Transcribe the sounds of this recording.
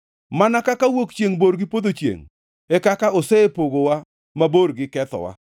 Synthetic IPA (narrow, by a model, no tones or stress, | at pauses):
manakakawokt͡ʃjeŋboɾɡɪpod̪ot͡ʃjḛŋ | ɛkakaosɛpoɡowa | maboɾɡɪkɛt̪ɔ̰wa̰